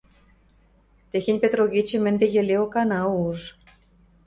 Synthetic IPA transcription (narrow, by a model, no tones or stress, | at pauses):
t̪exenʲpʲet̪roɣʲit͡ɕɘ̆mɘ̆nd̪ĕjɘ̆lʲeokɑnɑuʒ